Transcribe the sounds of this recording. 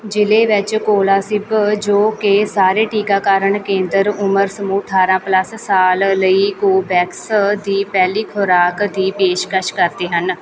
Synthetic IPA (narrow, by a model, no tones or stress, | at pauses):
d͡ʒɪleːʋɪt͡ʃkoːlaːsɪbd͡ʒoːkesaːɾeːʈiːkaːkaːɾəɳkẽːnd̪əɾʊməɾsəmuːʈʰaːɾãːpləsːaːlːəiːkoːbɛːksd̪iːpɛːliːkʰʊɾaːkd̪iːpeːʃkəʃkəɾd̪eːɦən